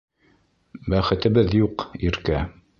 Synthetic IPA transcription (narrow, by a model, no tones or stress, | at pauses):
bæχɘ̆t̪ɘ̆bɘðjuqiɾkæ